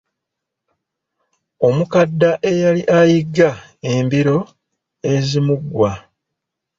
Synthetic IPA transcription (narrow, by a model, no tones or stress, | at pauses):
o̞mukadːaʔe̞jaliʔajiɡːa | embiɾo̞ | e̞zimuɡwa